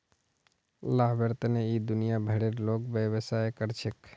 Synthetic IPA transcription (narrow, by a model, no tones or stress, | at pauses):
laɦbəɾt̪neid̪unijabʱəɽeɾlokbjəbəsaekəɾt͡ʃʰek